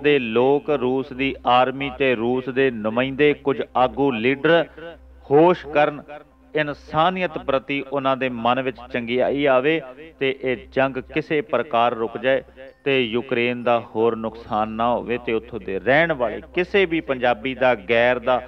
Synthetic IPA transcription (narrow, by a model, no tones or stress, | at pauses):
d̪eːloːkɾuːsd̪iːaːɾmiːt̪eːɾuːsd̪eːnʊmãːĩːnd̪eːkʊd͡ʒaːɡũːliːɖəɾ | hoːʃkəɾən | ɪnsaːnɪjət̪pɾət̪iːʔʊnãːd̪eːmənʋɪt͡ʃt͡ʃəŋɡiːa̰ːiːaːʋeːt̪eːʔeːd͡ʒəŋɡkɪseːpɾəkaːɾːʊkd͡ʒaːeːt̪eːjuːkɾeːnd̪aːhoːɾnʊksaːnːaːɦo̰ːʋeːt̪eːʊt̪ʰːõːd̪eːɾɛːɳʋaːɭḛːkɪseːbiːpəɲd͡ʒaːbiːd̪aːɡɛːɾd̪aː